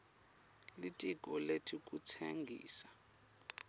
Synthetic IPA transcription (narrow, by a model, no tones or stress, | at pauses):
litʼiɡʱɔletʰikʼut͡sʰeŋɡʱḭːsa